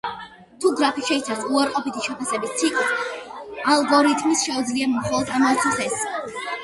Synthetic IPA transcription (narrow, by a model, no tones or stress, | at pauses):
t̪ʰuɡɾapʰiʃɛit̪sʰaɾsuaɾqʼɔpit̪ʰiʃɛpʰasɛbist̪sʰikʼit̪ʰ | alˠɡɔɾit̪ʰmisʃɛud̪zliamχɔlˠɔd̪ʰamɔt̪ʰiχɛs